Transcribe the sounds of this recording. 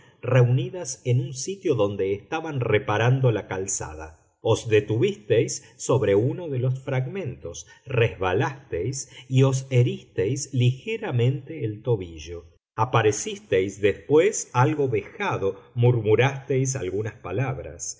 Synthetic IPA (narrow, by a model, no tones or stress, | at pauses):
reuniðase̞nunsit̪jo̞ðo̞nd̪eːst̪aβanrepaɾand̪o̞lakalsa̰ð̞a̰ | ozd̪e̞t̪uβist̪ejsː | o̞βɾe̞uno̞ðe̞lo̞sfɾaɣmẽ̞nt̪o̞srezβalast̪ejsio̞s̬eɾist̪ejslixeɾamẽ̞nt̪eːlt̪o̞βiʒo̞ | apaɾe̞sist̪ejsðespwesalɣo̞βexaðo̞muɾmuɾast̪ejs̬a̰lɣunaspalaβɾa̰s